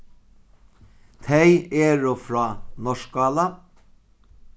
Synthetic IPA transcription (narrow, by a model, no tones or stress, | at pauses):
t̪ʰæɪeːɹʊfɾɑːnɔʃk̚ɡɑːlɑ